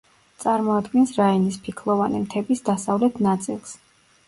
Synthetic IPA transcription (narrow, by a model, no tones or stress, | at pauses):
t̪sʼaɾmɔad̪ɡɛnsɾainispʰikʰlˠɔvanḭmt̪ʰɛbisd̪asavlɛt̪ʰnat̪sʼilˠs